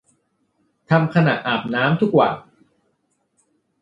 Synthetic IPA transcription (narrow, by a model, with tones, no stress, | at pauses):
t̪ʰa˧mkʰa˧na̰˨˩t̪̚ʔaː˨˩p̚naː˦˥mt̪ʰu˦˥k̚wa̰ː˨˩n